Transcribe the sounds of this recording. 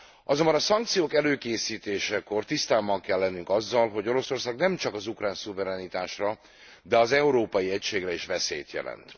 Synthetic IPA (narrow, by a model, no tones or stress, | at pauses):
ʔɒzo̞mbɒnɒsɒŋkt̪sijoːkɛløːkeːsiːt̪eːʃɛko̞rt̪ist̪aːbɒŋkɛlːɛnːyŋkɒzːɒlɦo̞ɟo̞ɾo̞so̞rsaːɡnɛmt͡ʃɒkɒzukraːnsuvɛɾɛnit̪aːʃrɒ | d̪ɛɒzɛuɾoːpɒjiɛcʃeːɡrɛiʃvɛsḛːjt̪jɛ̰lɛ̰nt̪